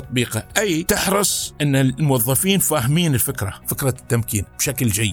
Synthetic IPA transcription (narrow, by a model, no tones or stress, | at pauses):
ɑt̪ˤbiːqɑʔajt̪ɪħɾˤɨsˤʔɪnːalmʊwɑðˤːɑfiːnfaːɦɪmiːnɪlfɪkɾˤɑfɪkɾˤɑt̪ːamkiːnb̥ʃakld͡ʒajːɪd̪